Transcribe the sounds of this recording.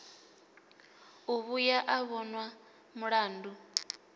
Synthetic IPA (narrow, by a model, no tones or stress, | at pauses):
uβujaʔaβɔnwa | muɺaːndu